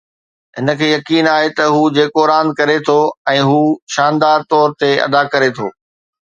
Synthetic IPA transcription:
ɦɪnə̆kʰeːjɐkiːnaːɦet̪ɐɦuːd͡ʑeːkoɾaːnkɐɾet̪ʰoɛ̃ːɦuːʃaːnd̪aːɾt̪ɔːɾt̪eɐ̰d̪akɐɾet̪ʰo̰ː

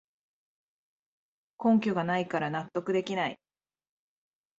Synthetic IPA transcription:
kõ̞ŋkʲoɡanaikaɾanat̪ːo̞kɯ̟d̪e̞kʲinaḭ

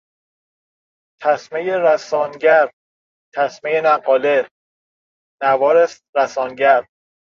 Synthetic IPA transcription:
t̪ʰæsmejeɾæsɒːnɟæɾ | t̪ʰæsmejenæpʰɒːle | nævɒːɾes | ɾæsɒːnɟæɾ

